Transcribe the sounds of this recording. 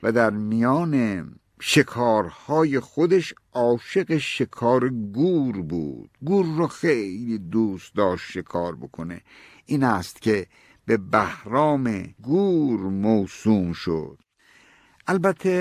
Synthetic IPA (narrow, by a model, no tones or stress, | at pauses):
væd̪æɾmijɒːne | ʃekʰɒːɾhɒːjexod̪eʃʔɒːʃe̞ɣeʃekʰɒːɾeɡuːɾbṵːd̪̥ɡuːɾːoxejjliːd̪uːst̪̚d̪ɒːʃt̪ʃekʰɒːɾbokʰonḛ | ʔiːnæst̪cʲʰe | bebæhɾɒːmeɡuːɾmoːsuːmʃo̰d̪̥ | ʔælbæt̪ʰːe